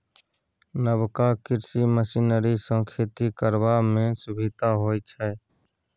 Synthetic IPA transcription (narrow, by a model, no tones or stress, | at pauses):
nəbkakɪɾsiməsinəɾisə̃ŋkʰɪt̪ikəɾwamẽsʊbʱɪd̪ʱaɦoːit͡ʃʰɛ